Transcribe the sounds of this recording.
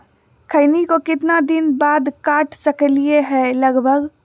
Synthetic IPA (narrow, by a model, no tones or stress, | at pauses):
kʰəɪnikokɪt̪nad̪ɪnbaːd̪kaːʈʰsəklieɦɛlɐɡbʱəɡ